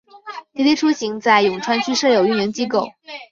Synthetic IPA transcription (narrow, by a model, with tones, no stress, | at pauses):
t̪i˧˥t̪i˥ʈ͡ʂʰu˥ɕi˧˥ŋt͡sa˥˩ɪjʊ˨˩ŋʈ͡ʂʰwa˥nt͡ɕʰy˥ʂɤ˥˩jo˨˩ʊy˥˩njɛ˧˥ŋt͡ɕi˥ko˥˩ʊ